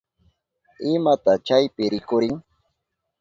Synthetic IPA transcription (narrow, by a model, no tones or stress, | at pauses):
ɪmat̪at͡ʃajpɪɾɪkʊɾɪŋ